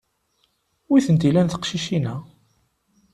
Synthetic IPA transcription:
wiθənt̪ilænθə̥qʃiʃinæ

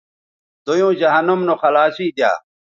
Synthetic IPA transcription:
d̪ojũːd͡ʑɐɦɐnumnoxɐlaːɕiːd̪ja̰ː

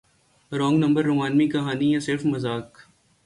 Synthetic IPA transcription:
ɾɔ̃ːŋɡnɐ̃mbəɾːʊmaːnmikɐɦaːnijɛ̃sɪɾfmɐzaːk

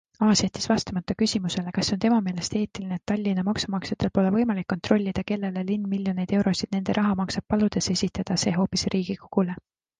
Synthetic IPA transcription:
ɑːset̪ːˑi̥svɑst̪ɑmɑt̪ːˑɑkysʲimuse̞le̞kɑsːo̞nt̪e̞mɑme̞ːle̞st̪e̞ːt̪ːilineːt̪ːɑlʲːinɑmɑksumɑksɑt̪ːˑe̞lpo̞le̞vɤ̞jmɑlikːo̞nt̪ro̞lʲːid̪̥ɑke̞lːe̞lelinːmiljo̞ne̞jd̪̥e̞wɾo̞sid̪̥ne̞nd̪̥e̞ɾʔɑɦɑmɑksɑb̥̚pɑlud̪̥e̞se̞sʲit̪ːˑɑd̪̥ɑse̞ːɦo̞ːpːˑisrʔiːɡ̥iko̞ɡ̥ule

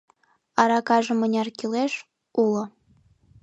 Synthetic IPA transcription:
ɑɾɑkɑʒɤ̆mə̆nʲɑrkileʃ | ulŏ

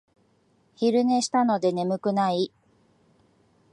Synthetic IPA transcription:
çiɾɯ̟ne̞ɕi̥t̪ano̞d̪e̞ne̞mɯ̟kɯ̟nai

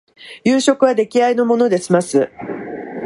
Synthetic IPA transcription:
jɯːɕo̞kɯ̟βad̪e̞kʲiaino̞mo̞no̞d̪e̞simasɨ

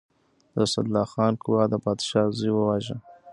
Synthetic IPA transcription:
d̪əsa̰d̪lɑxɑnkʊwɑd̪əpɑd̪ʃɑzujwəwaʒə

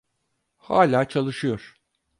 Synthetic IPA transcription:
haːlʲaːt͡ʃʰalˠɯʃɯjoɾ̥

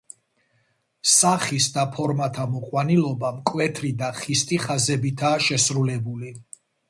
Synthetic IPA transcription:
saχisd̪apʰɔɾmat̪ʰamɔqʼwanilˠɔbamkʼwɛt̪ʰɾid̪aχist̪ʼiχazɛbit̪ʰaːʃɛsɾulɛbuli

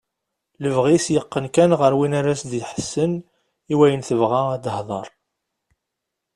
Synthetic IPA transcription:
ləvʁisjəqːənkænʁəɾwinaɾæsðiħə̥sːən | iwæjənθəvʁaæd̪əhðˤɑ̰ɾˤ

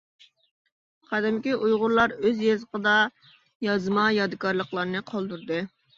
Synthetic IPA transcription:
qʰɑd̪ɛmkʲiʔujʁʊɾlˠɑɾøzjezəqʰəd̪ɑ | jɑzmɑjɑd̪ɨkɑɾlˠəχlˠɑɾnɨqʰɑlˠd̪uɾd̪ɨ

